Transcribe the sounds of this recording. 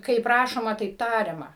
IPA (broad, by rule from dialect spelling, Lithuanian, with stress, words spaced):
kɐɪp ˈrɑːʃoːmɐ tɐɪp ˈtɑːrʲɛmɐ